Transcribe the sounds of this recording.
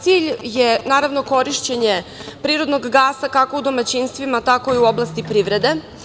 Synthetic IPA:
t̪siʎjenaːɾaʋno̞ko̞ɾiʃt͡ɕeɲepɾiːɾod̪noɡɡaːsakakoud̪o̞mat͡ɕinst̪ʋimat̪ako̞iuo̞blˠast̪ipɾiʋɾe̞d̪e̞

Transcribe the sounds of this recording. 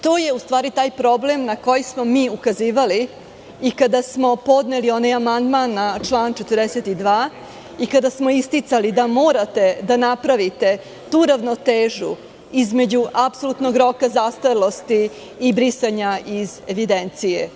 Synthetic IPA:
t̪o̞ːje̞ust̪ʋaːɾit̪aːjpɾo̞ble̞mnako̞jismo̞miːukaziːʋali | ikad̪asmo̞po̞d̪nelio̞najamand̪manːat͡ʃlˠaːnt͡ʃet̪ərd̪eset̪id̪ʋaː | ikad̪asmo̞ist̪it̪salid̪amo̞ːɾat̪e̞d̪anapɾaʋit̪e̞ | t̪uːɾaʋnot̪eːʒṵ | izme̞d͡ʑuʔapsolut̪no̞ɡɾo̞kazast̪alˠo̞st̪iː | bɾisaɲaizeʋid̪ent̪sije

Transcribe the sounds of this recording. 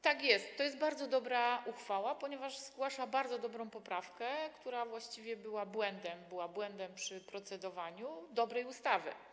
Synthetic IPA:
t̪akʲjɛst̪ːɔjɛst̪̚baɾd̪zɔd̪ɔbɾaʔuxfawapɔɲɛvaʂzɡwaʂabaɾd̪zɔd̪ɔbɾɔ̃w̃pɔpɾafkɛkt̪uɾavwaɕt͡ɕivʲjɛbɘwabwɛnd̪ɛmbɘwabwɛnd̪ɛmpʂɘpɾɔt̪sɛd̪ɔvaɲud̪ɔbɾɛjust̪avɘ̰

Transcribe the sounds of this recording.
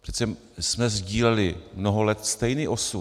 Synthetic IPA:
prɛ̥t̪sɛ | smɛzɟiːlɛlɪmnoɦolɛt̪st̪ɛjniːʔo̞su

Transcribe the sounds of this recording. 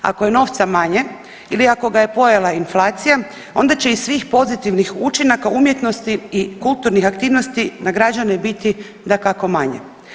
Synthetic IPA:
a̰koje̞no̞ːʋt̪samaɲe̞ | iliako̞ɡaje̞po̞jalainflˠaːt̪sija | o̞̰nd̪at͡ɕe̞isːʋiːxpo̞zit̪iʋnixut͡ʃinakaumje̞t̪no̞st̪iːkulˠt̪uɾnixakt̪iːʋno̞st̪inaɡɾad͡ʒanebit̪i | d̪akako̞maɲḛ

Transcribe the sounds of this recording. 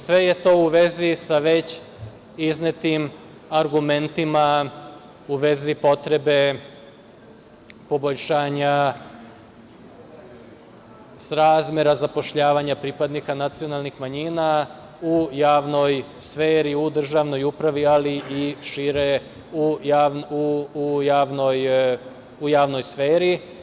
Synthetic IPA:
sʋe̞je̞t̪o̞ːuʋe̞zisaʋe̞t͡ɕ | iznet̪im | aɾɡume̞nt̪ima | uʋe̞zipo̞t̪ɾe̞be̞ | po̞bo̞ʎʃaːɲa | sɾaːzmjeɾazapo̞ʃʎaːʋaɲapɾipad̪nikanat̪sio̞nalˠnixmaɲina | ujaːʋno̞j | sfeːɾiud̪r̩ʒaʋno̞jupɾaʋialiʔiʃiɾe | uaʋnujaːʋnoj | ujaːʋno̞jsfeːɾi

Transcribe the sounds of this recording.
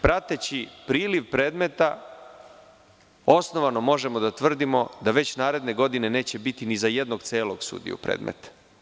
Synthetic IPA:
pɾat̪et͡ɕipɾiːliʋpɾeːd̪me̞t̪a | o̞sno̞ʋano̞mo̞ʒe̞mod̪at̪ʋr̩d̪imo̞d̪aʋe̞t͡ɕnaːɾe̞d̪ne̞ɡo̞d̪ine̞ne̞ːt͡ɕe̞bit̪inizaje̞d̪noɡt̪seːlo̞ɡsṵd̪ḭjṵpɾḛːd̪mʔḛt̪ḁ

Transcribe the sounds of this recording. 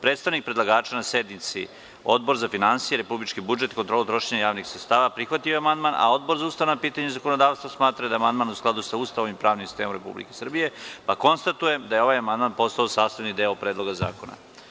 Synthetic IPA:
pɾeːt̪st̪aʋnik̚pɾed̪lˠaɡaːt͡ʃanased̪nit̪sḭ | o̞̰d̪bo̞ɾzafinansijeɾepublit͡ʃkibud͡ʒe̞t̪kont̪ɾolˠut̪ɾoʃeɲajaːʋnixsɾet̪st̪aːʋapɾixʋat̪ijoamand̪manʔa̰o̞d̪bo̞ɾzaust̪aʋnapiːt̪aɲezakonod̪aːʋst̪ʋasmaːt̪ɾad̪amand̪maːnusklˠad̪usaust̪aʋoʋimpɾaːʋnimsi̥st̪eːmomɾepṵblḭke̞sr̩bije̞pako̞nst̪at̪uje̞md̪ajeo̞ʋajamand̪manpo̞st̪aosaːst̪aʋnid̪eopɾed̪lo̞ɡaza̰ːkona̰

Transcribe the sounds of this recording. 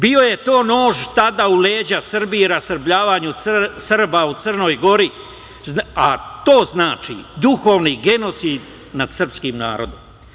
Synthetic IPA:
bio̞je̞t̪o̞ːno̞ːʒt̪ad̪auleːd͡ʑasr̩biiɾasr̩bʎaːʋaːɲusərbaut̪sərno̞ːjɡo̞ɾi | zat̪o̞ːznaːt͡ʃḭd̪uxo̞ːʋniɡe̞no̞t̪siːd̪ | nad̪sər̩pskimna̰ːɾo̞̰d̪om

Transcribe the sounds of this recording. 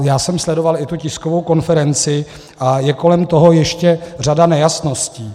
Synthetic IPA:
jaːsɛmslɛdo̞valɪt̪ucɪskovo̞wko̞nfɛɾɛnt͡sɪ | ʔajɛko̞lɛmt̪o̞ɦo̞jɛʃcɛr̝adanɛjasno̞sciː

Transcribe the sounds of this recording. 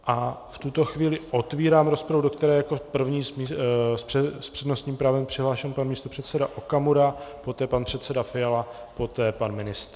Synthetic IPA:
ʔaft̪ut̪o̞xviːlɪʔo̞t̪viːɾaːmɾo̞spɾavudo̞kt̪ɛɾɛːjako̞pr̩vɲiːsisspr̥ɛdno̞st̪ɲiːmpɾaːvɛmpr̥ɪɦlaːʃɛmpanmiːst̪o̞pr̥ɛt̪sɛdaʔokamuɾapo̞t̪ɛːpanpr̥ɛt̪sɛdafɪjala | po̞t̪ɛːpanmɪnɪst̪

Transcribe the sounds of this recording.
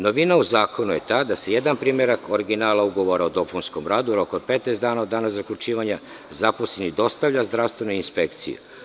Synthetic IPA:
no̞ʋinauzaːkʰo̞nuje̞t̪aːd̪ase̞je̞d̪anpɾiːmje̞ɾakʰoɾiɡinaːlˠauɡo̞ʋo̞ɾaod̪o̞plunskomɾaːd̪uɾokod̪̚pet̪nezd̪aːnaod̪ːaːnazakʎʲut͡ʃiːʋaɲa | zaposenid̪o̞st̪aʋʎazd̪ɾaʋst̪ʋe̞noinspe̞kt̪sḭjṵ

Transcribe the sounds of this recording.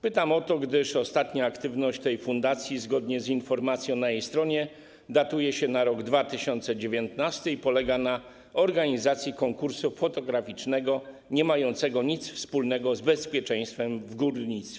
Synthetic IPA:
pɘt̪amɔt̪ɔɡd̪ɘʂɔst̪at̪ɲaːkt̪ɘvnɔɕt͡ɕt̪ɛjfund̪at̪sʲjizɡɔd̪ɲɛzinfɔɾmat̪sʲjɔ̃w̃najejst̪ɾɔɲɛ | d̪at̪ujɛɕɛnaɾɔɡd̪vat̪ɘɕɔnt̪sɛd͡ʑevʲjɔnt̪nast̪ɘipɔlɛɡana | ɔɾɡaɲizat̪sʲjikɔŋkuɾsufɔt̪ɔɡɾafʲit͡ʂnɛɡɔ | ɲɛmajɔnt̪sɛɡɔɲit̪sfspulnɛɡɔzbɛspʲjɛt͡ʂɛ̃j̃st̪fɛmvɡuɾɲit̪sʲɛ

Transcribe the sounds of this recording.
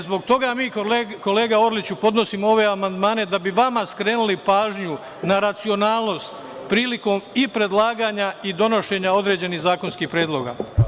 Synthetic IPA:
zbo̞ɡ̚t̪o̞ɡamiːko̞le̞ːɡao̞ɾlit͡ɕupo̞d̪no̞simoo̞ʋe̞amand̪maːne̞d̪abiʋamaskɾe̞ːnulipaːʒɲu | naɾat̪sio̞naːlˠno̞st̪ | pɾiːliko̞ːmipɾe̞d̪lˠaːɡaːɲaid̪o̞no̞ʃe̞ɲao̞d̪ɾe̞d͡ʑe̞niɦzaːko̞nskixpɾeːd̪lˠo̞ɡa̰

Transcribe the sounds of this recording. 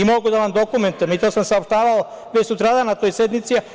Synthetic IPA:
imo̞ɡud̪aʋamd̪okument̪ujemit̪o̞ːsamsaopʃt̪aːʋao | vet͡ʃsut̪ɾaːd̪anat̪o̞jsed̪nit̪si

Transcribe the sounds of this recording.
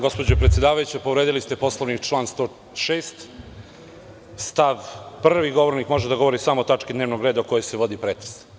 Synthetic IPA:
ɡo̞spo̞d͡ʑopɾet̪sʲjed̪aːʋajut͡ɕepoʋɾed̪ilist̪e̞po̞slˠoʋnikt͡ʃlˠaːnst̪o | ʃeːst̪ | st̪aʋprʋiɡo̞ʋoɾnikmo̞ʒed̪aɡoʋo̞ɾisamot̪at͡ʂkid̪neʋnoɡɾe̞ːd̪aokojojseʋo̞d̪ipɾet̪ɾe̥s

